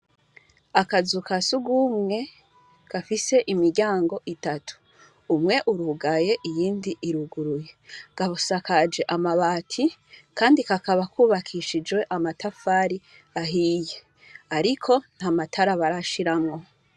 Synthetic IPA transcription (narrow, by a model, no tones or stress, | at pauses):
akazukasuɡumŋe̞ | ɡ̥afise̞ʔimiɾɟaːŋɡo̞ʔitatʰu̥ː | mŋe̞ʔuɾuɡaje̞ʔijiːndiʔiɾuɡuɾuje̞ɡ̥aβusakad͡ʒe̞ʔamaβaːtʰikaːndikakaβakuːβakʰiːʃid͡ʒwe̞ʔamatʰafaːɾi | aɦiːje | aɾikʰo̞n̥hamatʰaɾaβaɾaʃiɾamŋo̞